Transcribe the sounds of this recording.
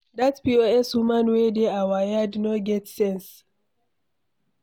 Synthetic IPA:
datpioɛshumãnwedeawajadnoɡɛtsɛ̃ns

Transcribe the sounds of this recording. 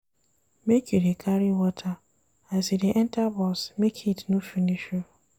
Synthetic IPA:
mekjudekʰaɾiwɔtʰa | asidiʔɛntabɔsmekʰitnufiniʃo

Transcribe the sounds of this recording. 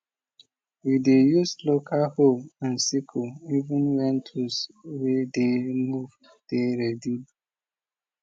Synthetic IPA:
widejuslokaholãnsikʰoivũnwɛ̃ntʰuswedemuv | d̥eɾɛdib

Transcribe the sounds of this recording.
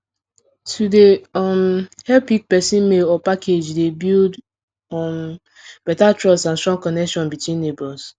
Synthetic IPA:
tʰudeɔmhɛlpik̚pɛsĩnmeɔpakʰed͡ʒdebild | ɔm | b̥ɛtatɹɔsãnstɹɔ̃ŋkɔnɛkʃɔ̃nbitwĩnːebɔls

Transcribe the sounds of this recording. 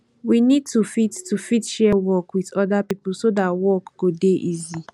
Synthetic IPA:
winid̚tufittufitʃɛwɔkwiðɔdapipl̩sodatwɔkɡ̥odeʔizi

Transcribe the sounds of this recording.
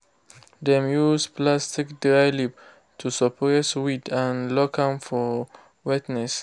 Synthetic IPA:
d̪ɛ̃mjusplastikdɹajlip̚ | tʰusɔpʰɛswitʰãnlɔkʰãmfɔ | witnɛs

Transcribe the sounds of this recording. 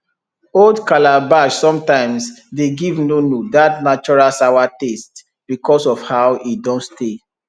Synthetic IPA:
oldkalabaʃsɔ̃mtãɪ̃msdeɡivnonodatnat͡ʃɔɹalsaʊwatest | b̥ikʰɔsɔfhaʊidɔ̃nste

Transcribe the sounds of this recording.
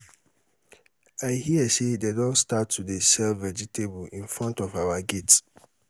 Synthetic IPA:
aɪhiəsededɔ̃nstatʰːudesɛlvɛd͡ʒitʰebĩnfɾɔ̃ntɔvawaɡet

